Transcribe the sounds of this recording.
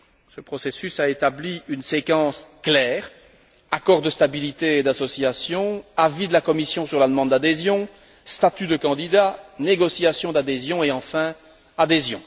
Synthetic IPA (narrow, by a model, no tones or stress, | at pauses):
səpχɔsesysaet̪abliynsekɑ̃sklɛːʁ | akɔʁd̪əst̪abilit̪ed̪asɔsjasjɔ̃avid̪əlakɔmisjɔ̃syʁlad̪əmɑ̃d̪̚d̪ad̪ezjɔ̃ | st̪at̪yd̪əkɑ̃d̪id̪aneɡɔsjasjɔ̃d̪ad̪ezjɔ̃eɑ̃fɛ̃ | ad̪ezjɔ̰̃